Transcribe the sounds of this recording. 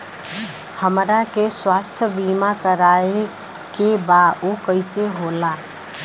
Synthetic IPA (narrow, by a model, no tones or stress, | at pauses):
həmɾakeswast̪ʰəbimakəɾae | kebaʔokəɪseɦola